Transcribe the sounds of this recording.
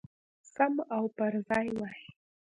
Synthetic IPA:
samawpaɾzɑjwaj

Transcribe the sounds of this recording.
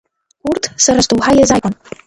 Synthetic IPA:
urtʰsaɾastʼuwħajazajkʷʼan

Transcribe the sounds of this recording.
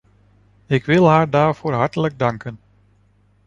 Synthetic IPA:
ɪkʋɪlˠɦaːɹdaːɹv̥oːɹɦɑɹtələɡ̚dɑŋkən

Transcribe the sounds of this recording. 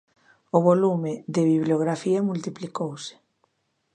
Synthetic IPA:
ʊβolumɪd̪ɪβiβljoɣɾafiamult̪iplikowsɪ̥

